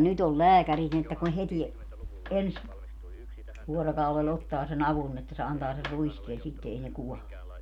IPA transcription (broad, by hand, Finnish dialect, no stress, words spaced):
nyt ol læːkærit ni etːæ kun heti ens ʋuorokɑulel otːɑː sen ɑʋun n etːæ se ɑntɑː ser ruiskeːn̞ sitːe ei ne kuɔle